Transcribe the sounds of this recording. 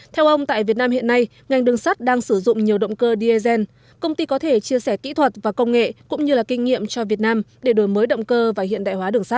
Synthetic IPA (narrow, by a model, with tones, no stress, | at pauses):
t̪ʰɛ˧wʔə˧wŋ͡mt̪a̰ː˧˨jvi˨˩ənaː˧mhḭ˧˨ənːa˧j | ŋa˨˩jŋ̟ɗɨ˨˩əŋsa˦˥t̚ɗaː˧ŋsɨ˧˩zʊ̰˧˨ŋ͡mɲi˨˩əwɗə̰˧˨wŋ͡mkəː˧ɗi˧e˧zɛ˧n | kə˧wŋ͡mt̪i˧kɔ˨˦t̪ʰe˧˩t͡ɕi˧əsɛ˧˩kḭ˧˥t̪ʰwə˨˩t̚vaː˨˩kə˧wŋ͡mŋḛ˧˨kʊ̰˧˥ŋ͡mɲɨ˧laː˨˩kï˧ŋ̟ŋḭ˧˨əmt͡ɕɔ˧vi˨˩ət̚naː˧mɗe˧˩ɗo˨˩jməː˨˦jɗə̰˧˨wŋ͡mkəː˧vaː˨˩hḭ˧˨nɗa̰ː˧˨jhwaː˨˦ɗɨ˨˩əŋsa˦˥t̚